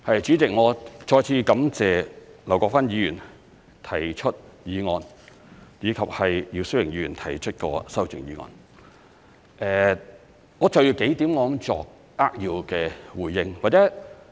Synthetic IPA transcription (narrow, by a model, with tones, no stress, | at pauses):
hɐ˨jt͡ʃyː˨˥t͡sɪ˨k̚ŋɔː˨˧t͡ʃɔː˧jt͡sʰiː˨˧˥kɐ˨˥mt͡sɛː˨lɐ˨˩wkɔː˧kfaː˥njiː˨˧jyː˨˩n | t̪ʰɐ˨˩jt͡ʃʰə˥t̚jiː˨˧ŋɔː˨˧n | jiː˨˧kʰɐ˨p̚hɐ˨jjiː˧wsɵ˥wɪ˨˩ŋjiː˨˧yː˨˩nt̪ʰɐ˨˩jt͡ʃʰɵ˥t̚kɔ̰ː˧sɐ˥wt͡sɪ̰˨ŋjiː˨˧ŋɔ̰ː˧n | ʔɛː˨ | ŋɔː˨˧t͡sɐ˨wji˧wke˨˥jt̪iː˨˥mlɔː˨˥ŋt͡sɔ̰ː˨k̚ | aː˥k̚ji˧wkɛː˧wuː˨˩jːɪ˧ŋwaː˨t͡sɛː˨˥